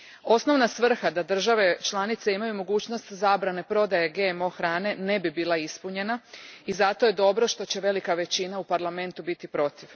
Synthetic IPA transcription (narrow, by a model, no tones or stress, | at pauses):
o̞sno̞ʋnasʋr̩xad̪ad̪r̩ʒaʋe̞t͡ʃlˠanit̪se̞imajumo̞ɡuːt͡ɕno̞st̪zaːbɾane̞pɾo̞d̪ajeɡemo̞xɾaːne̞ne̞bibiːlˠaispuɲe̞naizat̪o̞jed̪o̞bɾo̞ʃt̪o̞t͡ɕe̞ʋe̞likaʋe̞t͡ɕinaupaɾlˠame̞nt̪ubit̪ipɾo̞t̪iʋ